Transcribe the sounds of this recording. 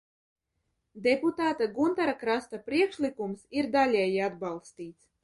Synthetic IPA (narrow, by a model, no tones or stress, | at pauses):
d̪eput̪aːt̪aɡunt̪aɾakɾast̪apɾiɛkʃlikumsiɾd̪alʲɛjiad̪balˠst̪iːt̪s